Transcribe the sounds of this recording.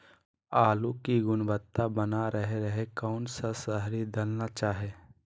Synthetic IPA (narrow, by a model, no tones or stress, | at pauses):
aːlukiɡʊnbət̪ːabənaɾəɦeɾəɦekɔːnsasəɦɾid̪ɐlnat͡ʃaːɦeː